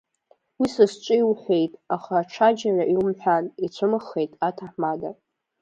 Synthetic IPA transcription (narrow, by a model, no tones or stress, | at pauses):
wisɨst͡ʃʷʼijwħʷe̞jtʼaχaːʈ͡ʂʰad͡ʒanaʔiwmħʷᶣanit͡ɕʷʰɨmɨχːe̞jtʼatʰaħmada